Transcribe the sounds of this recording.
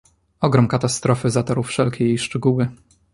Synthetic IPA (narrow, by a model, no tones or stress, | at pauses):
ɔɡɾɔmkat̪ast̪ɾɔfɘzat̪ɔɾufʂɛlkʲejejʂt͡ʂɛɡuwɘ